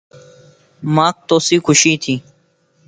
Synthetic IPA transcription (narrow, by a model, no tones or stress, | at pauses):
maːk̚t̪oːsiːkʰʊʃiːt̪ʰiː